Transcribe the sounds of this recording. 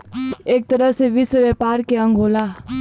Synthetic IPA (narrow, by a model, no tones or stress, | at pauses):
eːk̚t̪ɐɾəɦseʋɪswəʋɛːpaːɾkeɐ̃ŋɡʱoːlaː